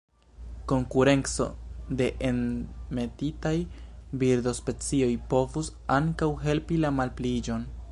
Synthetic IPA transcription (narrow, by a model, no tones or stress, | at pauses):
ko̞ŋkuɾe̞nt͡so̞̰de̞ʔenme̞titajbiɾdo̞spe̞t͡sio̞jpo̞vus | aŋkawɦe̞lpilamalplid͡ʒo̞n